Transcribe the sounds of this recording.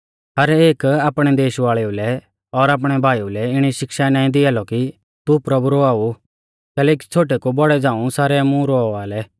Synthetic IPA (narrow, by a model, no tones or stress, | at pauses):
ɦɐɾeːkaːpɽ̃ɛd̪eːʃʋaːɭɛulɛ | ɔɾaːp̬ɽ̃ɛbʱaːiulɛɪɽ̃iʃɪkʃanãːĩd̪ɪalɔki | t̪upɾɐbuɾoaːu | kɛːlɛːk̬i̥t͡sʰoːʈ̬ɛkubɔɽɛd͡zãːũsaːɾɛmũɾoʋaːlɛ